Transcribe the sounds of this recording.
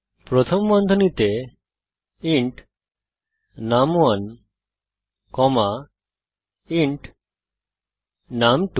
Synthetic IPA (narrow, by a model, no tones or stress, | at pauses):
pɾot̪ʰomːɔnd̪ʱonit̪e | iɳʈ | naman | kɔma | iɳʈ | namʈu